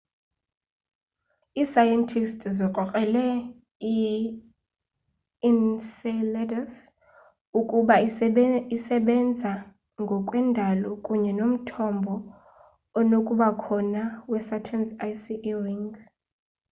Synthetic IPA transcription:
iːsajɛntʰistʼziqʼɔkʼɛlɛ | i | insɛlɛdas | ukʼuɓa | isɛɓɛnd͡zʱa | ŋɡʱɔkʼwɛndʱalɔkʼuɲɛnom̩tʰɔmbʱɔː | nokʼuɓakʰɔnawɛsatʰɛnsajsiʔriŋɡ

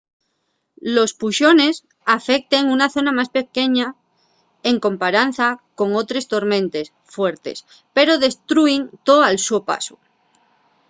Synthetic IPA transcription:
lo̞spuʃo̞ne̞s | afe̞k̚t̪eŋunaθo̞namaspe̞ke̞ɲa | e̞ŋkõ̞mpaɾan̟θako̞ŋo̞t̪ɾe̞st̪o̞ɾmẽnt̪e̞s | fwe̞ɾt̪e̞̰s | pe̞ɾo̞ðe̞st̪ɾuiŋt̪oalsuopa̰so

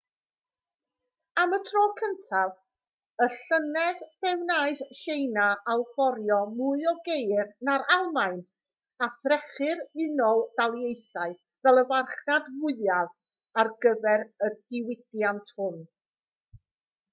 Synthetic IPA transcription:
amətʰrɔːkʰəntʰav | əɬənɛðb̥ɛwnaːɨðʃejnaʔawfɔɾjɔmuɨɔɡejrnaɾalˠmaɨn | aθɾɛχɨɾɪnɔlˠd̥alˠjejθaɨ | vɛlˠəvarχnadwʊɨav | arɡəvɛɾəd̥ɪwɪdjantʰhʊn

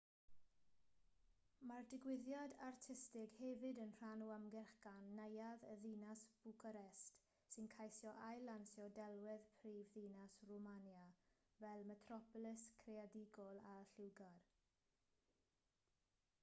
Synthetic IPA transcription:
mardɪɡwɪðjadartʰɪstɪɡhɛvɪdənr̥anuamɡɛrχɡ̥anːejaðəðiːnasb̥ukʰaɾɛst | sɪnkʰajsjɔʔajlansjɔdɛlˠwɪðpʰriːvðinasrɔmanja | vɛlˠmɛtʰrɔpɔlɪskʰreadiɡɔlˠaɬɪwɡar

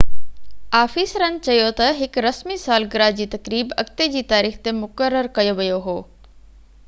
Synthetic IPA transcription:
aːfisɾɐnt͡ɕɐjot̪ɐɦɪkɾɐsmisaːlɡɪɾad͡ʑiːt̪ɐkɾiːbɐ̰kt̪ed͡ʑiːt̪aːɾiːxt̪emʊkəɾːəɾkɐjoʋɐjoɦoː

